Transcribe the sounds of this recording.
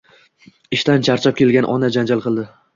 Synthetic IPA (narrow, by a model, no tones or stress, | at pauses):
ɪʃt̪ant͡ʃʰaɾt͡ʃʰap̚kʲʰe̞lɡʲanʔɒ̰nad͡ʒand͡ʒalˠqʰɨlˠd̪ɪ